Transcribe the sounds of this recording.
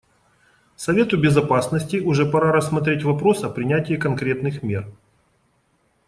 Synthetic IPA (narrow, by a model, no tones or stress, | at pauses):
sɐvʲe̞t̪ʊbʲɪzɐpasnəsʲtʲɪʔʊʐɛpɐɾaɾəsːmɐt̪ɾʲetʲvɐpɾo̞sɐpɾʲɪnʲætʲɪːkɐnkɾʲe̞t̪nɨxmʲe̞r